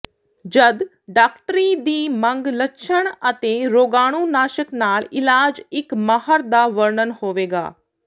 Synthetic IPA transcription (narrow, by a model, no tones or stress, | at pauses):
d͡ʒəd̪ | ɖaːkʈɾiːd̪iːmə̃ŋɡlətːʃʰəɽ̃ət̪eːɾoːɡaːɽ̃uːnaːʃəknaːlɪlaːd͡ʒɪkmahəɾd̪aːʋəɾɳənhoːʋeːɡa̰ː